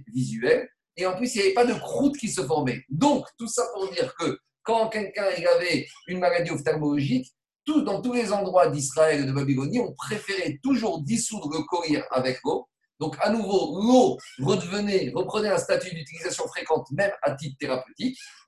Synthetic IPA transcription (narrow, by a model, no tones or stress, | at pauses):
vizɥɛl | eɑ̃plysiljavɛpad̪əkχut̪kʲisəfɔʁmɛd̪ɔ̃kt̪usapuʁd̪iʁkə | kɑ̃ːkʲɛlkʲɛ̃iljavɛynmalad̪ioft̪ɛʁmɔlɔʒik | t̪ud̪ɑ̃t̪ulezɑ̃d̪ʁwad̪is̬χaɛld̪əbabiɡɔniɔ̃pχefeʁɛt̪uʒuʁd̪isud̪ʁələkɔʁiʁa̰vɛklo | d̪ɔ̃kanuvoloʁəd̪əvənɛʁəpχənɛɛ̃st̪at̪yd̪yt̪ilizasjɔ̃fχekɑ̃t̪mɛmat̪ip̚t̪eʁapət̪ik